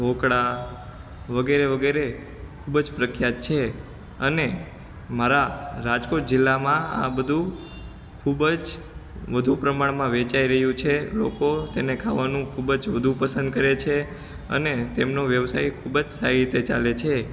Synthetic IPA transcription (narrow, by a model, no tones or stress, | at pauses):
okɽa | ʋəɡeɾeʋəɡeɾe | kʰubd͡ʒpɾəkʰjat̪̚t͡ʃʰe | əne | maɾaɾad͡ʒkoʈ̚d͡ʒɪlːamãa̰bəd̪ʱũ | kʰubd͡ʒ | ʋəd̪ʱupɾəmaɳmãʋet͡ʃaiɾəɦjũt͡ʃʰelo̰kot̪enekʰaʋanũkʰubd͡ʒʋəd̪ʱũpəsə̃nd̪̚kəɾet͡ʃʰe | ə̰net̪emnoʋjəʋsajkʰubd͡ʒsaɾiɾit̪et͡ʃa̰let͡ʃʰe